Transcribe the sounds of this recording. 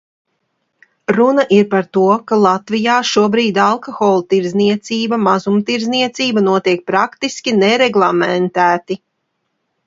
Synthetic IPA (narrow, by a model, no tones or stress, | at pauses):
ɾunaʔiɾpaɾt̪uɔkalˠat̪vijaːʃuɔbɾiːd̪alˠkɔxɔːlˠt̪iɾzniɛt̪siːbamazumt̪iɾzniɛt̪siːbanuɔt̪iɛk̚pɾakt̪iskʲinɛɾeɡlˠamɛnt̪æːt̪i